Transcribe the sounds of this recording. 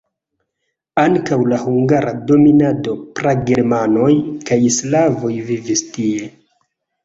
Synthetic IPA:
aŋkawlahuŋɡaɾado̞minado̞pɾaɡe̞ɾmano̞jkajislavo̞jvivistie̞

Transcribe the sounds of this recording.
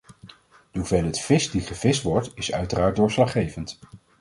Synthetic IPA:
dəɦuvɛlətfɪsdiχəvɪstʋɔɹtɪsœ̰ɥtəraːɹ̚dʊːɹslɑχejvənt

